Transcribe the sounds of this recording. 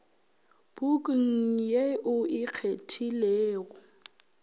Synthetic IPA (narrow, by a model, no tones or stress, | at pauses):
b̥ukʼŋ̩jeʔʊɪk͡xʰetʰilɛːɣɔ